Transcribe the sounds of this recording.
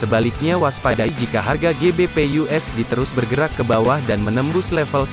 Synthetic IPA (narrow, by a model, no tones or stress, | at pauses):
səbalɪk̚ɲawaspadaid͡ʒikaɦarɡaɡebepejuɛsdit̪əɾʊsbərɡəɾakːəbawahdanmənəmbʊslɛfəls